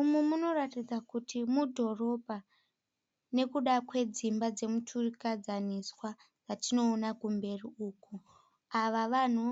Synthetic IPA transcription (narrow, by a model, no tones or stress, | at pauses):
umwemuno̞ratid͡zakutʰimudʱo̞ro̞bʱa | ne̞kuɗakwe̞d͡zimbad͡ze̞mutʰurikad͡zaniswa | d͡zatino̞ːnakumbe̞riuːku | aʋaʋan̤u